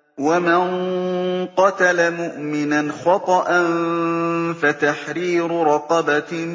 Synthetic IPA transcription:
waman | qɑt̪alamʊʔmɪnanxɑt̪ˤɑʔan | fat̪aħɾiːɾʊɾˤɑqɑba

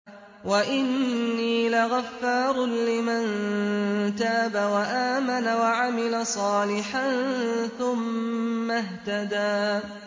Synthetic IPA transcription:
waʔɪnːiːlaɣafːɑːɾˤlɪman | t̪aːbawaʔaːmanawaʕamɪlasˤɑːlɪħanθʊmːaɦt̪ad̪aː

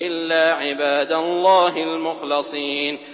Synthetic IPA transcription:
ʔɪlːaːʕɪbaːd̪alˤːaːɦɪlmʊxlɪsˤiːn

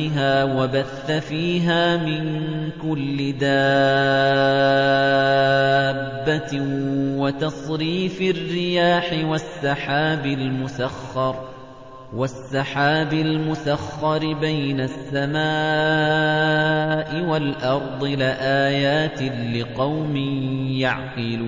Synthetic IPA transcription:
ɦaːwabaθːafiːɦaːmɪnkʊlːɪd̪a | bːa | wat̪ɑsˤɾiːfɪrːɪjaːħɪwasˤːɑħaːbɪlmʊsaxːɑɾˤ | wasːɑħaːbɪlmʊsaxːɑɾbajnasːamaː | ʔɪwalʔɑɾˤd̪ˤɨlɪʔaːjaːt̪ɪlɪqɑwmɪnjaʕqɪlː

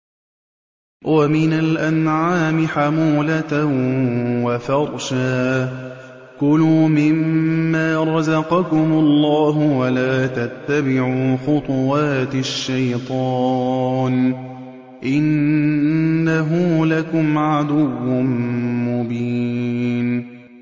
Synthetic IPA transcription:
wamɪnalʔanʕaːmɪħamuːla | wafɑɾˤʃaː | kʊluːmɪmːaːɾˤɑzɑqɑkʊmʊlˤːɑːɦʊwalaːt̪at̪ːabɪʕuːxʊt̪ˤʊwaːt̪ɪʃːajt̪ˤɑːn | ʔɪnː | aɦuːlakʊmʕad̪ʊwːʊnmʊbiːn

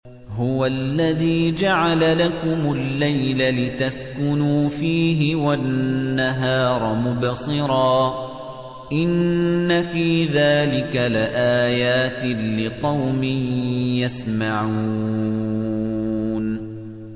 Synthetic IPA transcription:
ɦʊwalːaðiːd͡ʒaʕalalakʊmʊlːajlalɪt̪askʊnuːfiːɦɪwanːaɦɑːɾˤɑmʊbsˤɨɾɑː | ʔɪnːafiːðaːlɪkalɪʔaːjaːt̪ɪːɪqɑwmɪjjasmaʕuː | n

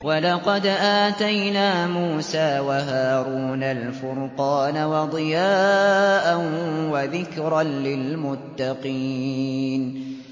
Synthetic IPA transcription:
walɑqɑd̪ʔaːt̪ajnaːmuːsaːwaɦaːɾuːnalfʊɾqɑːnawɑd̪ˤɨjaːʔanwaðɪkɾɑnlɪlmʊt̪ːɑqiːn

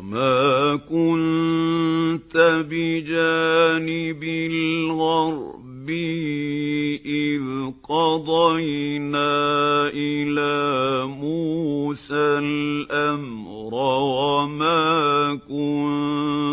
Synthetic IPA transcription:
maːkʊn | t̪abɪd͡ʒaːnɪbɪlɣɑɾˤ | bɪh | ʔɪlqɑd̪ˤɑjnaːʔɪlaːmuːsalʔam | ɾˤawamaːkʊn

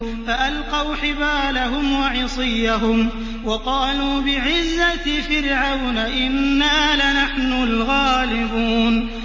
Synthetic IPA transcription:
faʔalqɑwħɪbaːlaɦʊmwɑʕɪsˤɨjːaɦʊm | wɑqɑːluːbɪʕɪzːafɪɾʕawnaʔɪnːaːlɪnaħnʊlɣaːlɪbuːn

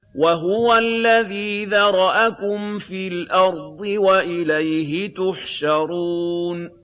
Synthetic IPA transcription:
waɦʊwalːaðiːðɑɾˤɑʔakʊmfiːlʔɑɾˤd̪ˤɨwaʔɪlajɦɪt̪ʊħʃɑɾˤuːn

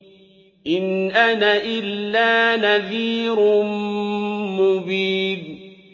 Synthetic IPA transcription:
ʔɪnʔanaʔɪlːaːnaðiːɾʊn | mʊbiːd

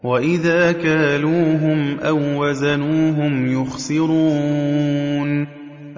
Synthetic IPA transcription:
waʔɪðaːkaːluːɦʊmʔawːazanuːɦʊmjʊxsɪɾuː | n

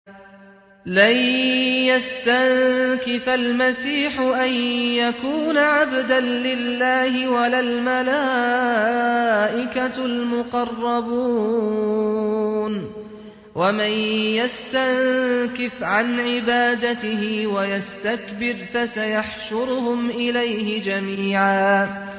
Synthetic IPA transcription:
lajjast̪ankɪfalmasiːħʊʔanjakuːnaʕabd̪anlɪlːaːhɪwalalmalaː | ʔɪkalmʊqɑrˤːɑbuː | n | wamanjast̪ankɪfʕanʕɪbaːd̪at̪ɪɦɪwajast̪akbɪɾfasajaħʃʊɾʊhʊmʔɪlajhɪd͡ʒamiːʕaː

